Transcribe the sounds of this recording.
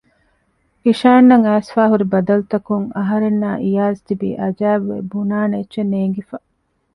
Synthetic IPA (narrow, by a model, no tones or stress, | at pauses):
iʃaːnːɐŋæːsfaːɦuɾibɐd̪ɐlut̪ɐkuŋɐɦɐɾenːaːʔijaːzt̪ibḭːʔɐd͡ʒæːʋːḛbunaːnetːʃeneːŋɡifɐ